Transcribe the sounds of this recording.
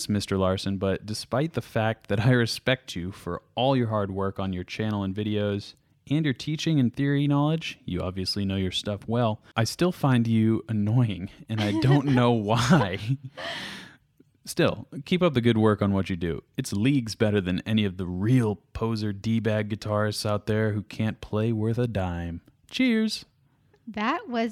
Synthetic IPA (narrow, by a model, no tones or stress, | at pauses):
smɪstə˞lɑɹsɨ̃nbʌt̚d̥ɨspaɪt̪̚ðɨfæk̚t̪̚ðɨɾaɪɹɨspɛk̚t͡ʃɨfə̰˞ʔɔlˠjə˞ɦɑɹd̚wɜ˞kn̩jə˞t͡ʃʰæ̃ñl̩ˠə̃nvɪɾioʊz̥ | ʔɨ̃njə˞tʰit͡ʃɪ̃ŋɨ̃nθɪɹinɑlˠɨd͡ʒjɨ̰ɑ̰bviɨslinoʊjə˞stʌfwɛlˠ | ʔaɪstɪlˠfãɪ̃nd͡ʒɨɨnɔɪɪ̃ŋɨ̃naɪdõʊ̃nːoʊwaɪ | stɪ̰lˠkʰipʌp̚ðɨɡʊd̚wɜ˞kn̩wʌt͡ʃɨdɨ̰ɨtsliɡzbɛɾə˞ðɨ̃nɛñiʌvðəɹilˠpʰoʊzə˞dibæɡɨtʰɑɹzaʊt̪̚ðə˞hʉkʰæ̃npʰl̥eɪwɜ˞θɨdãɪ̃m | t͡ʃʰɪɹz̥ | ðɨt̚wʌ